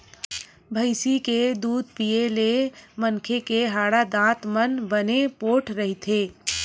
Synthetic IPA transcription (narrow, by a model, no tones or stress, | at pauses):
bʱəɪsiked̪uːd̪̚pielemənkʰekeɦaːɽad̪ãːt̪mənbənepoːʈʰɾəɦit̪ʰeː